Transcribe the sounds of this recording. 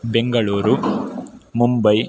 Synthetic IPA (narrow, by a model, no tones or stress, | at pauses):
beŋɡɐɭuːɾu | mumbɐj